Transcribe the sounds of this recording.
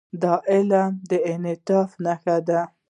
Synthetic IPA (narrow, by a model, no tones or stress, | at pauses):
d̪ɑʔɪlad̪əɪnɪt̪ɑfnaxad̪a